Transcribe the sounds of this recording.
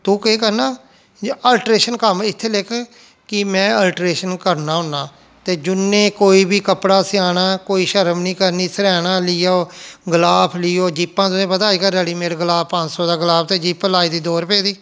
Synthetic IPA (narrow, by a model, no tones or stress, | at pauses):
t̪uːkeːkəɾnaː | əlʈɾeːʃənkəmɪt̪ʰːelɪkʰ | kɪmɛ̃ːəlʈɾeːʃənkəɾnãːɦʊnːãː | t̪eːd͡ʒʊnːẽːkoːiːbiːkəpɽaːsɪaːnaːkoːiːʃəɾəmnĩːkəɾniːsəɾɛːnãːlɪːaoːɡəlaːpʰlɪːoːd͡ʒiːpːãːt̪ʊsẽːpət̪aːiːkəɾəːɽiːmeːɾɡəlaːppət͡ʃsɔːd̪aːɡəlaːpʰt̪eːd͡ʒiːplaːiːd̪iːd̪oːɾpɛːd̪iː